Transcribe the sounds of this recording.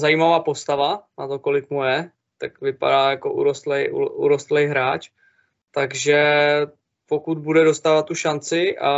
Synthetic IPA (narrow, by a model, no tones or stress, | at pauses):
zajimavaːpo̞st̪avanat̪o̞ko̞lɪkmujɛ | t̪akvɪpa̰daːjako̞ʔṵɾost̪lɛjʔṵʔuɾost̪lɛjɦɾaːt͡ʃ | t̪aɡʒɛ | po̞kud̪̚budɛdo̞st̪aːvat̪ːuʃant͡sɪʔa̰